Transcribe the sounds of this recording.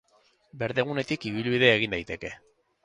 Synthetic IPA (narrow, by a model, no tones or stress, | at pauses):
be̞ɾðe̞ɣune̞t̪ikiβilβiðe̞ːɣ̞ind̪ajt̪e̞ke̞